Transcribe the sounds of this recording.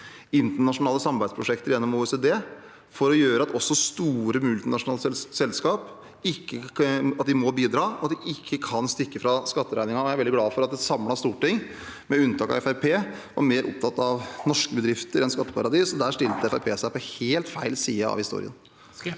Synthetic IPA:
ɪnt̪əɳɑʂʊnɑːləsɑmɑbæɪspʰɾʊʂɛkt̪əɾjɛnːɔmuːɛsed̪eː | fɔɾɔjøːɾəɑt̪ɔsːɔst̪uːɾəmʉlt̪ɪnɑʂʊnɑːlsɛlskɑːp | ɪkːəɑt̪d̪ɪmɔbiːd̪ɾɑːɔɑt̪d̪ɪʔɪkʰːəkʰɑnst̪ɪkːəfɾɑskɑt̪ːəɾæ̰ɪnɪŋɑɔjæɾʋɛld̪ɪɡlɑːfɔɾɑt̪d̪ɛsɑmlɑst̪uːʈɪŋ | mɛʉnt̪ʰɑːkɑ̰ʋɛfæɪpʰeːʋɑ̰ɾmeːɾʔʊ̰p̚t̪ʰɑt̪ːɑʋnɔʂkəbəd̪ɾɪft̪əɾɛnskɑt̪ːə̥pʰɑɾɑd̪iːsɔd̪æʂʈɪlt̪əɛfæɪpʰeːsæɪpɔheːlt̪fæɪlsiːəɑ̰ʋhɪst̪ṵːɾɪ̰ə̰n

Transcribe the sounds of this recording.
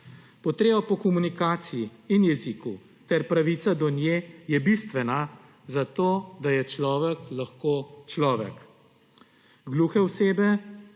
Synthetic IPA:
pɔt̪ɾeːbɔpɔkɔmunikaːt̪sijiinjɛziku | t̪ɛɾpɾaʋiːt̪sad̪ɔnjejɛbist̪ʋɛna | zat̪oːd̪ajɛt͡ʃlɔːʋɛklaxkot͡ʃlɔːʋɛ̰k | ɡluxɛwseːbɛ

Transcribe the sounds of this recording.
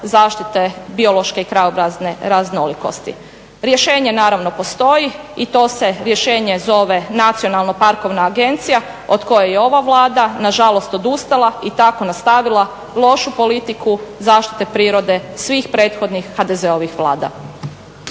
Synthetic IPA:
zaːʃt̪it̪ebio̞lo̞ʃkeikɾajobɾazne̞ɾazno̞liko̞̰st̪ḭ | ɾjeʃe̞ːɲe̞naːɾaʋno̞po̞st̪o̞ji | it̪o̞ːse̞ɾje̞ʃe̞ːɲe̞zo̞ʋe̞nat̪sio̞nalˠno̞paɾko̞ʋnaːɡe̞nt̪sija | od̪ko̞jejeo̞ʋaʋlˠaːd̪anaʒalo̞st̪o̞d̪ust̪alait̪ako̞nast̪aʋilˠa | lˠo̞ʃupo̞lit̪ikuzaːʃt̪i̥t̪e̞pɾiːɾo̞d̪e̞sʋixpɾe̞ːt̪xo̞d̪nixhad̪eze̞o̞ʋixʋlˠa̰ːd̪a̰

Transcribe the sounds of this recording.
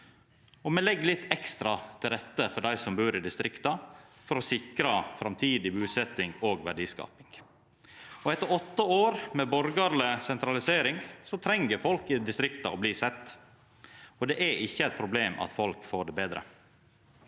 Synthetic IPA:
ɔmɛlɛɡːlɪt̪ːɛkst̪ɾɑt̪ʰɪlɾɛt̪ːəfɔɖæɪsɔmbʉːɾɪd̪ɪst̪ɾɪkt̪ɑfɔɾɔsɪkɾɑfɾɑmt̪ʰiːd̪ɪbʉːsɛt̪ːɪŋoːɡʋæɖiːskɑ̰ːpɪŋ | ɔɛt̪ːəɾɔt̪ːəoːɾmɛbɔɾɡɑɾləsɛnt̪ɾɑlɪseːɾɪŋsɔt̪ʰɾɛŋːəɾfɔlkɪd̪ɪst̪ɾɪkt̪ɑɔbliːsɛt̪ː | ɔd̪ɛʔæɾʔɪçːəæɪt̪̚pʰɾʊbleːmʔɑ̰t̪fɔlkfoːɖɛbeːd̪ɾə̰

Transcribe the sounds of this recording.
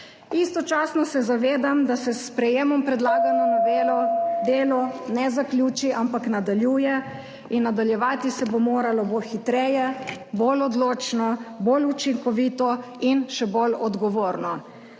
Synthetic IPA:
ist̪ɔt͡ʃaːsnɔsɛzaʋeːd̪amd̪asɛspɾɛjeːmɔmpɾɛd̪laːɡanɔnaʋeːlɔd̪eːlɔnɛzaklʲjuːt͡ʃiʔampaknad̪aljuːjɛ | inːad̪aljɛʋaːt̪isɛbomoːɾalɔbolxit̪ɾɛjɛbolɔd̪loːt͡ʃnɔbolut͡ʃiŋkɔʋit̪ɔinʃɛbolɔd̪ɡɔʋoːɾnɔ

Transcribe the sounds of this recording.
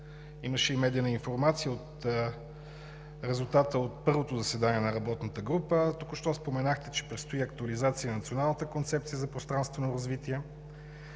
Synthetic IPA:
iməʃɛimɛd̪iənəinfoɾmat̪sijəot̪ | ɾɛzulˠt̪at̪əot̪̚pɤɾvot̪ozɐsɛd̪aniɛnɐɾɐbɔt̪nət̪əɡɾupət̪ukʊʃt̪ɔspomɛnaxt̪ɛt͡ʃɛ̥pɾit̪st̪oiɐk̚t̪uɐlizat̪siənɐt̪sionalˠnət̪əkont̪sɛp̚t̪sijəzɐpɾost̪ɾanst̪vɛnoɾɐzvit̪iɛ

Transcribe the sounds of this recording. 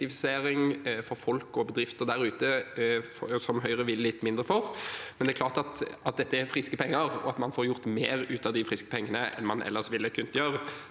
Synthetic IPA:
ɪfɪseːɾɪŋfɔɾfɔlkɔbəd̪ɾɪft̪əɾd̪æɾʉːt̪əfɔsɔmɦœʏʁəʋɪllɪt̪ːmɪnd̪ɾəfɔʁmɛnd̪ɛklɑːʁt̪ɑt̪ɑt̪̚d̪ɛt̪ːəɛɾfɾɪskəpʰɛŋːəʁɔ̰ɑt̪mɑnfɔɾjʊɾt̪meːɾʉːt̪ɑd̪ɪfɾɪskə̥pʰɛŋːənəʔɛ̰nmɑnʔɛ̰lːəʂʋɪlːəkʰʉnt̪jøːʁ

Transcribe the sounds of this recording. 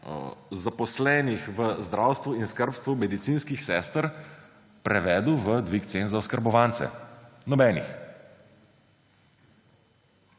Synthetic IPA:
zapɔslɛːnixʋəzd̪ɾaːwst̪ʋuinskəɾpst̪ʋumɛd̪it̪siːnskixsɛːst̪əɾ | pɾɛʋɛːd̪uʋəd̪ʋikt̪senzawskəɾbɔʋant̪sɛ̰nɔbɛːnḭx

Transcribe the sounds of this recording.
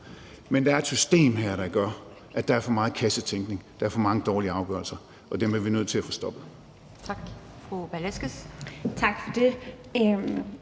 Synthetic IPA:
mend̥ɑ̈æɐed̥sysd̥e̝̰ːmɦæɐ̰ɾ̥ɑ̈ɡ̥ɶɐ | ʔæd̥ɑ̈æɐfɒ̽mɑ̈ːð̩ˠkʰæsət͡sʰeŋɡ̥ne̝ŋd̥ɑ̈æɐfɒ̽mɑ̈ŋəd̥ɒːliəɑ̈ʊɡ̥ɶ̰ɐlsɐ | ɒ̽d̥emiɐʋinøð̰ˠt͡sʰe̝læfɒ̽sd̥ɒ̽b̥ð̩ˠ | t͡sʰɑɡ̥ | fʁub̥ælesɡ̥əst͡sʰɑ̈ɡ̥fɒd̥e̝

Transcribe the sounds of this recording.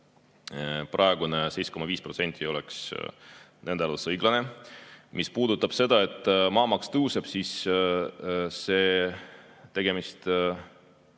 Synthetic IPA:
prʔɑe̞ɡ̥unese̞jsko̞mɑviːspro̞t̪se̞nʲt̪ʰʲːˑio̞leks | nʔe̞nd̪elusɤjɡ̥lɑne̞mʔispuːd̪̥ut̪ːˑɑb̥se̞d̪ɑe̞t̪ːˑmɑːmɑkst̪ɤuseb̥sis | se̞ː | t̪e̞ɡ̥e̞mist̪

